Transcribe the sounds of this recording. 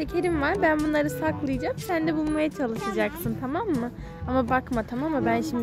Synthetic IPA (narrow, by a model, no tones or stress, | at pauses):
ecʲʰeɾimvaɾbænbunlˠaɾɯsaklˠɯjad͡ʒamsænd̪ɛbulˠmajat͡ʃʰalˠɯʃad͡ʒaksɯnt̪ʰamamːɯ | amabakmat̪ʰamamːabænʃimd̪